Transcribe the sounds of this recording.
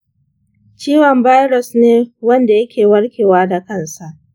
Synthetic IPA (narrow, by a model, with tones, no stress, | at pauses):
t͡ʃiː˦wɔ˨mbaː˦jɽɔ˨sneː˦wɐ˦nda˨jɐ˦kʲeː˨wɐ˦ɽkʲeː˨waː˦da˨kɐ˦˨nsa˨ʔ